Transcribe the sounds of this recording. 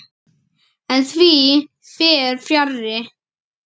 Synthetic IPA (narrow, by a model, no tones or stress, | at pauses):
ɛnθʰvi | fjɛːɾfjarːɪ